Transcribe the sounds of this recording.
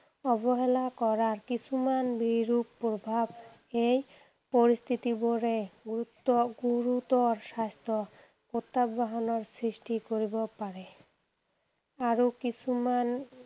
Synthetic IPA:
ɔbɔɦelakɔɾaɾkit͡ɕʰumanbiɾuppːobʱab | ej | poɾist̪ʰit̪iboɾeɡut̪ːɔɡuɾut̪ɔɾʃast̪ʰɔ | kot̪ːabbaɦɔnɔɾsɾisʈikoɾibɔpaɾe | aɾokit͡sʰuman

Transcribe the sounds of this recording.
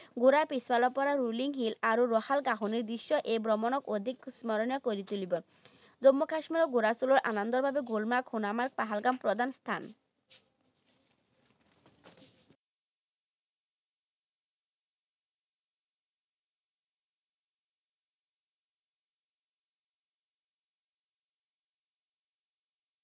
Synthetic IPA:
ɡuɾapiswalɔpɔɾaɾuliŋɦilaɾuɾɔhalɡaɦuniɾd̪ɾiʃːɔʔebɾɔmɔnɔkod̪ʱiksmɔɾonijɔkoɾit̪ulibɔ | d͡zomːokaʃmiɾoɡuɾasuloɾʔa̰nɔnd̪ɔɾbʱabeɡolmakhunamaɾk̚paɦalɡampɾod̪ʱanst̪ʰan

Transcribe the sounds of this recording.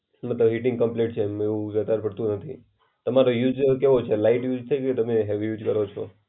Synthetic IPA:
mət̪ləbɦiʈɪ̃ŋɡkəmpleʈ̚t͡ʃʰemeũʋjət̪aɾpəɽt̪ũnət̪ʰḭ | t̪əmaɾojud͡ʒkeʋot͡ʃʰelaiʈjud͡ʒt̪ʰeket̪əmeɦeʋijud͡ʒkəɾot͡ʃʰo̰

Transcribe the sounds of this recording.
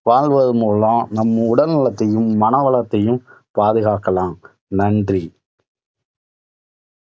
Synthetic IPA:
ʋaːɭʋɐðɯmoːlãːnɐmːɐʊɽɐnɪlɐt̪ːɐjɯmːɐnɐʋɐɭɐt̪ːɐjɯm | paːðɯɣaːkːɐlãːm | nɐɳdri

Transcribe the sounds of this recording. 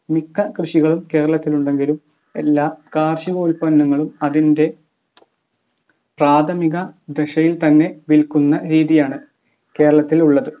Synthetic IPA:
mikːɐkrɨʂiɣɐɭumke̞ːɾɐɭɐt̪ːiluɳɖe̞ŋɡilum | e̞̰lːaːkaːrʂiɣoːlpɐnːɐŋːɐɭumɐðinde̞ | praːt̪ʰɐmiɣɐd̪eɕɐjilt̪ɐnːe̞ʋilkunːɐɾiːðijaːɳɨ | ke̞ːɾɐɭɐt̪ːiluɭːɐðɨ

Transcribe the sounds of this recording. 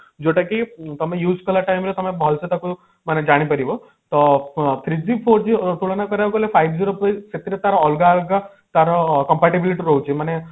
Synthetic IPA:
d͡ʒoʈakit̪əmẽjuːd͡zkɔlaʈajmɾet̪ɔmẽbɔɦlset̪aku | maned͡ʒaɽ̃ipəɾibɔ | t̪ɔt̪ʰɾid͡ʑipʰoɾd͡ʒit̪uɭɔnakɔɾakolefʰajbd͡ʒiɾopejset̪iɾet̪aɾɔɔlɡaːlɡa | t̪aɾɔkɔmpaʈibiliʈiɾɔɦut͡ʃimane

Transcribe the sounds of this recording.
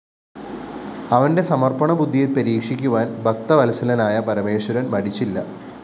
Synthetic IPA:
ɐʋɐnde̞sɐmɐrpɐɳɐbud̪ʱːijilpɐɾiːkʂikʲːuʋaːnbʱɐk̚t̪ɐʋɐlɐsɐlɐnaːjɐpɐɾɐmeːɕwɐɾɐnmɐɽit͡ɕːilːɐ̰

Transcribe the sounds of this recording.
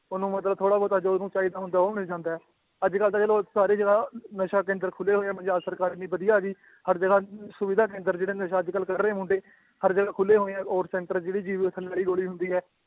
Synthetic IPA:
ʊnũːmət̪ləbt̪ʰoːɽaːbɔːt̪əd͡ʒnũːt͡ʃaːiːd̪aːɦʊ̃nd̪aːɦoːnɪːd͡ʒãːnd̪aːɛː | əd͡ʒkəlt̪əəloːsaːɾiːd͡ʒəɡaːnəʃaːk̬ẽːnd̪əɾkʰʊlːeːɦoːeɛ̃ːmənd͡ʒaːsəɾkaːɾɪnːĩːbəd̪ɪjaːɡiː | həɾd͡ʒəɡaːsʊʋɪd̪ʱaːk̬ẽːnd̪əɾd͡ʒeːɽeːnəʃaːəd͡ʒkəlkəɾːẽːmʊ̃ɳɖeː | həɾd͡ʒəɡaːkʰʊlːeːɦoːeːɛ̃ːʔɔːɾsɛ̃ːɳʈɾəd͡ʒeːɽiːd͡ʒiːʋt̪ʰəlaːɽiːɡoːɽiːɦʊ̃nd̪iːɦɛː

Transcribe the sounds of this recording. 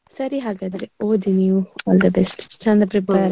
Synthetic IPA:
sɐɾiɦaːɡaːd̪ɐɾeoːd̪iniuɔːld̪ɐbɛsʈt͡ʃɐ̃nd̪ɐpɾɛpaːɾ

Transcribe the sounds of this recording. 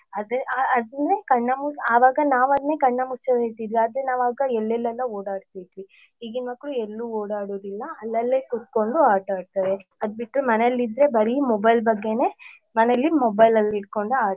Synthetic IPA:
ɐd̪ɐaɐd̪ɐnd̪ɾe̞kɐɳːɐmuaːʋaːɡɐnaːʋɐd̪ne̞ːkɐɳːɐmut͡ʃɐʋeːt̪iːd̪ʋiaːd̪ɾenaːʋaːɡɐɛlːɛlːɛlːɐoːɽaːɖt̪id̪ʋi | iːɡinʋɐkːɽuelːuːoːɽaːɽoːd̪ilːɐɐlːɐlːekut̪̚ko̞ɳɖuaːʈaːɽ̚t̪aːɾeɐd̪biʈɾumɐnelːid̪ɾe̞bɐɾimobɐjlbɐɡːe̞ne̞ː | mɐnelːimobɐjlɐlːiiɽ̚ko̞ɳɖuaː

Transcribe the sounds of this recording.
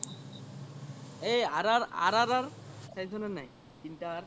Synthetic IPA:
ejaɾaa̰ɾaɾaɹsajzɔnɛnaj | kinta

